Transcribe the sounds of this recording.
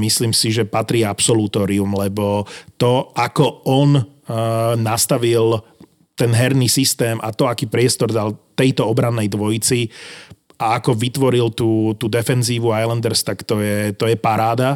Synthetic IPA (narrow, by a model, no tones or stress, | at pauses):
misliːmsiʒɛpat̪ɾiːapsɔlut̪ɔːɾiumlɛbɔt̪ɔakɔɔn | nast̪aʋil | t̪ɛnɦɛɾnisist̪ɛːmʔa̰t̪ɔakiːpɾɪɛst̪ɔɾd̪alt̪ɛjt̪ɔɔbɾanːɛjd̪ʋɔjt͡si | ʔaakɔʋit̪ʋɔɾilt̪uːt̪uːd̪ɛfɛnziːʋuajlɛnd̪ɛɾst̪akt̪ɔjɛt̪ɔjɛpaɾaːd̪a